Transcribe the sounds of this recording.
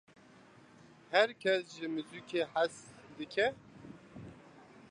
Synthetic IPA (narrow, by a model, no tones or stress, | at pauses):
hɛɾkʲʰɛsʒɨmɨzukʰeːħasd̪ɨkʰɛ